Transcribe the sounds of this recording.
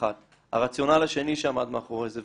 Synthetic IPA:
at̪ | a̰ʁat͡sjo̞nalaʃe̞niʃeamad̪maχoʁezev

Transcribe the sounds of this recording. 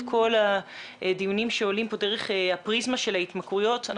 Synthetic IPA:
kʰo̞laʔdijunimʃeolimpo̞deʁeχeapʁizmaʃelaitmakʁujo̞tan

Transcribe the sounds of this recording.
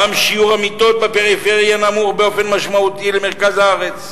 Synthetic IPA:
amʃiuʁamit̪o̞t̪̚bepeʁifeʁjanamuʁbeo̞fe̞nmaʃmaut̪ilemeʁkazhaaʁet͡s

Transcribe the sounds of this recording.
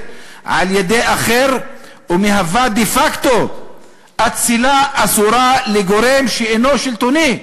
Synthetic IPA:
ʕa̰ljed̪eaχeɾ | umeɦavad̪ifakt̪o | ʔat̪t͡silaːsuɾaleɡo̞ɾe̞mʃeeno̞ʃilt̪oni

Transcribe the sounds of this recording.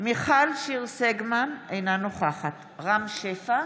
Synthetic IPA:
miχalʃiʁseɡmanejnanoχaχat | ʁamʃefa

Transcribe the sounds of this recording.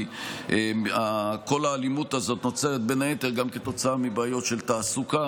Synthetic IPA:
eako̞laːlimut̪azo̞t̪no̞t͡seʁet̪̚be̞naet̪e̞ʁɡamke̞t̪o̞t͡saamibaːjo̞t̪ʃe̞lt̪aːsuka

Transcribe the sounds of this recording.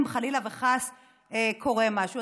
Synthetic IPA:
mχalilaveχas | ekʰo̞ʁemaʃu

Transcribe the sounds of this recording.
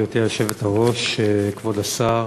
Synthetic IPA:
jot̪elʃevethaʁoʃekvodasa

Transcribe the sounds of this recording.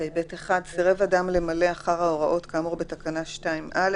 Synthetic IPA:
ejbeteχad̪siʁevadamle̞male̞aχaʁao̞ʁaʔo̞t̪kaːmuʁbet̪akanaʃtaimʔal

